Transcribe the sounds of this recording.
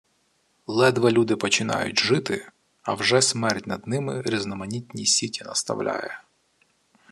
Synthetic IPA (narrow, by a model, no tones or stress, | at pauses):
lˠɛd̪ʋɐlʲud̪ɪpɔt͡ʃɪnɑ̰jʊtʲʒɪt̪ɪ | ɐwʒɛsmɛrtʲnɐd̪nɪmɪɾʲiznɔmɐnʲitʲnʲisʲitʲinɐst̪ɐ̰wlʲa̰jɛ̰